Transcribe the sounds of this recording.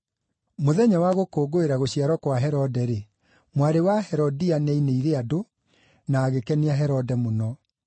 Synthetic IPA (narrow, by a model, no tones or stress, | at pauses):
moðɛɲawaɣokoːɡoeɾaɣoɕiaɾɔkwaɦɛɾɔdɛɾe | mwaɾewahɛɾɔdianɛineiɾeado | naːɣekɛniaɦɛɾɔdɛmonɔ